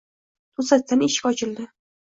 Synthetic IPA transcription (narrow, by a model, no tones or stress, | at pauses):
t̪ʰʊsat̪̚t̪aneʃkʲɒt͡ʃʰɪld̪ɪ